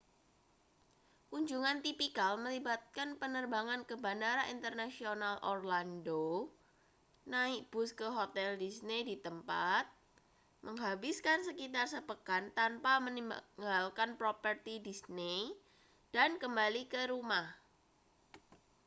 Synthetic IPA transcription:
kuɲd͡ʒuŋant̪ipikalməlibat̪̚kanpənərbaŋankəbandaɾaint̪ərnasionalʔorlando | naɪʔ̚b̥ʊskəɦot̪ɛldisnedit̪əmpat̪̚ | məŋɦabiskansəkit̪arsəpəkant̪anpamənŋɡalkanpɾopərt̪idisne | d̥ankəmbalikəɾumah

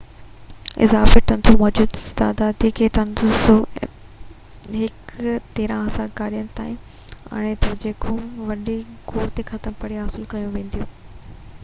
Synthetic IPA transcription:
ɪ̰zaːfeʈɐnsomɔːd͡ʑuːd̪t̪a̰ːd̪aːd̪ikʰeʈɐnso | ɦɪkt̪eːɾãɦɐzaːɾkaːɾijənɪ̆t̪a̰ːĩ | ɐ̰ɽ̃et̪ʰod͡ʑeːkʰoʋɐɗikoːɾt̪exɐt̪əmpɐɽijaɦɐsɪlkɐjũʋẽːn̆d̪ijũː

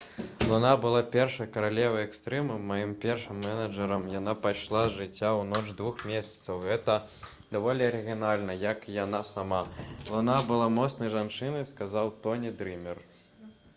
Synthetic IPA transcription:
lˠunabɨlˠapʲɛrʂɐjkɐɾalʲɛvɐjɛkst̪ɾɛmɨmajimpʲɛrʂɨmːɛnɐʐɛɾɐmjanapajʂlˠazʐɨt͡sʲːawnɔt͡ʂd̪vuxmʲesʲɐ̥t̪sɐwɣɛt̪ɐ | d̪avɔlʲiɐɾɨɣʲinalʲnɐjɐkijanasamalˠɔnabɨlˠamɔt̪snɐjʐant͡ʂɨnɐjskazawt̪ɔnʲid̪ɾɨmʲɛr

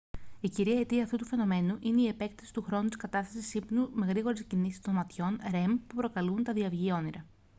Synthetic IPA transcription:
iciɾiɐet̪iɐːft̪ut̪ufe̞no̞me̞nuʔine̞ie̞pe̞k̚t̪ɐ̥si̥t̪uxɾo̞nut̪i̥skɐt̪ɐst̪ɐsisipnume̞ɣɾiɣo̞ɾe̞scinisi̥st̪o̞nmɐt̪ço̞nɾe̞mpupɾo̞kɐlunt̪ɐðiɐvʝio̞niɾɐ

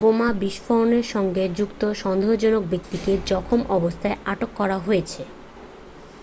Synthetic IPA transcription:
bomabiʃfoɾoneɾʃɔŋɡed͡ʑukt̪oʃɔnd̪ʱod͡ʑonok̚bik̚t̪iked͡ʑɔkʰomʔɔbost̪ʰaeaʈokːɔɾaɦojet͡ɕʰe

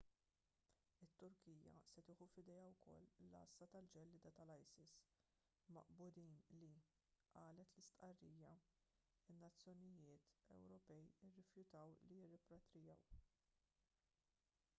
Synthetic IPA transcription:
ɪt̪ːʊɾkiːjɐ̰sɛt̪ɪːħufɪd̪ɛːɐwkʰɔ̰lːɐ̰sːɐt̪ɐld͡ʒɛlːɪd̪ɐt̪ɐlɐjsɪs | mɐ̰ʔbʊd̪iːnli | ʔɐːlɛt̪lɪst̪ʔɐrːiːjɐ | ɪnːɐt͡sːjɔnɪjɪːt̪ɛ̰wɾɔpɛjɪrːɪfjʊt̪ɐwlijɪrːɪpɾɔt̪ɾɪjɐ̰w

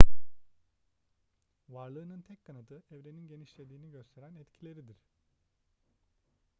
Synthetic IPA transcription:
vaɾlˠɯːnɯnt̪ʰɛckʰːanat̪ʰɯʔɛvɾeninɟe̞niʃlʲe̞d̪iːniɟøst̪ʰe̞ɾænɛt̪cʰilʲe̞ɾid̪iɾ̥

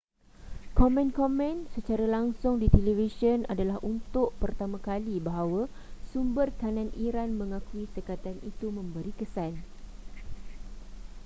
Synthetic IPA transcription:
kɔmɛ̃nkɔmɛ̃nsət͡ʃaɾalaŋsʊŋdit̪elevisəna̰dalaɦʔunt̪ʊʔpərt̪amãkalibaɦawa | sumbərk̪anãnʔiɾanmə̃ŋãkuisəkat̪anḭt̪umə̃mbəɾikəsan

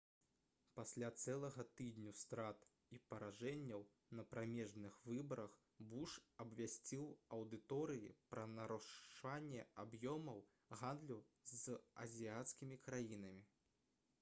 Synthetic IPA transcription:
pasʲlʲat̪sɛlˠɐɣɐt̪ɨd̪ʲnʲust̪ɾat̪ | ipɐɾaʐɛnʲːɐw | nɐpɾamʲɛʐnɨxvɨbɐɾɐx | buʂɐbvʲasʲt͡sʲiwɐwd̪ɨt̪ɔɾɨjḭpɾɐnɐɾuʂanʲːɛabjɔmɐw | ɣand̪lʲuzɐ̰zʲijat̪skʲimʲikɾajinɐmʲi

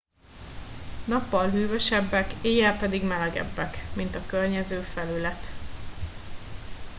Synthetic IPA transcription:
nɒpːɒlɦyːvɛʃɛbːɛkeːjɛlpɛd̪iɡmɛlɛɡɛ̰bːɛkmint̪ɒkørɲɛzøːfɛlylɛt̪

